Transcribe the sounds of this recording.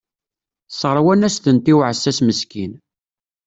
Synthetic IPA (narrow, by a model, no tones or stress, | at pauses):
sˤʁəɾˤwænæst̪ənt̪iwʕəsːæsməskin